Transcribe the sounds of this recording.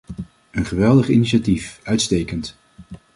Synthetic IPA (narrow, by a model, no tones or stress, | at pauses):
ənχəʋɛlˠdəχiniʃatifœɥtstejkənt